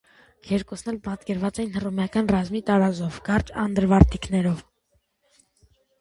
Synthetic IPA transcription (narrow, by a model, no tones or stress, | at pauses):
ɡʰɛɾkusnɛlpɑt̪kɛɾvɑt͡sɛjinhərumjɑkɑnrɑzmit̪ɑɾɑzɔvɡɑɾt͡ʃɑnd̪əɾvɑɾt̪iknɛɾɔv